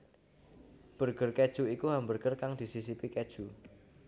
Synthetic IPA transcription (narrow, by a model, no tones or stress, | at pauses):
b̥ərɡ̥ərked̥ʒ̥ṳikuɦambərɡ̥ərkaŋd̪̥i̤sisipiked̥ʒ̥u